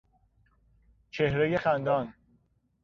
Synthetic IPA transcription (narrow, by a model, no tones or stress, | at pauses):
t͡ʃʰe̞hɾeje̞xænd̪ɒːn